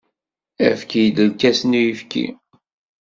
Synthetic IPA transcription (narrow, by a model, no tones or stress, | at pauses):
æfkjid̪əlkæsnujəfkḭ